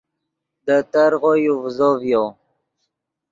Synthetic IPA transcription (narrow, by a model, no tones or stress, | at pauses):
d̪ət̪aɾʁojuvzovjo